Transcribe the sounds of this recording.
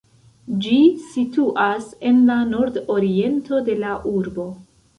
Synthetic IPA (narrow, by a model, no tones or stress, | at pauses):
d͡ʒisituʔase̞nlano̞ɾdo̞ɾie̞nto̞de̞laʔuɾbo̞